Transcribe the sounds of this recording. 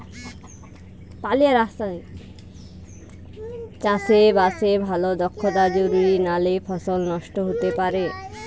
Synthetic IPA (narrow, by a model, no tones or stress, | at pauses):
palijaɾast̪a | t͡ɕasebasebʱalod̪ɔkʰːod̪ad͡ʑoɾiɾinalepʰɔsolnɔʃʈoɦot̪epaɾe